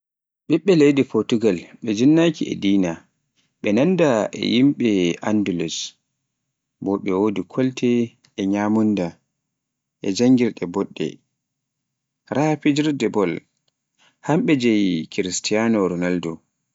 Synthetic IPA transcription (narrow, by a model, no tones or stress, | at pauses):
ɓɛɓːɛlejdipɔɾtuɡalɓɛd͡ʒinːakiɛ̰diːna | ɓɛnandaʔɛ̰jimɓɛʔandulus | bɔɓɛwodikʰɔltʰɛ | ɛɲamunda | ʔɛd͡ʒaŋɡiɾɗɛbɔɗːɛ̰ | ɾʔapid͡ʒiɾdɛbɔl | hamɓɛd͡ʒɛjkiɾistijanɔɾɔnaldɔ